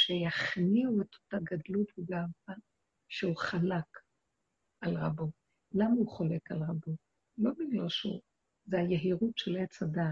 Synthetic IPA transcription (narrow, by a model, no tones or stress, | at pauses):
ʃejaχniue̞to̞̥taɡadlutbeɡaːva | ʃeuχalak | alʁabo̞ | lamauχole̞kalʁabo | lo̞biɡlalʃṵ | zeajeɦiʁutʃelet͡sada